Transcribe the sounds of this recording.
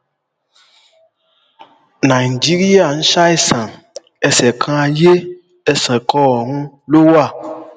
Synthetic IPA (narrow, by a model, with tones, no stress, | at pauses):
nã˨i˨d͡ʒi˦ɾi˦a˨n̩˦ʃa˦i˦sã˨ | ɛ˨sɛ˨kʰã˦je˦ | ɛ˨sɛ̃˨kɔ˦˨ŋũ˦ | lo˦wa˦˨